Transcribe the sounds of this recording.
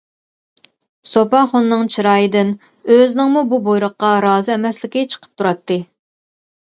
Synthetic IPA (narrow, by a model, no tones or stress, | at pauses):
sopɑχonːɨŋt͡ʃʰiɾɑːjid̪ɪn | øzɪnɪŋmububojɾʊqːɑɾɑːzɨɛmɛslɪkʲit͡ʃʰə̥qʰə̥p̚t̪ʰuɾɑt̪ʰːɨ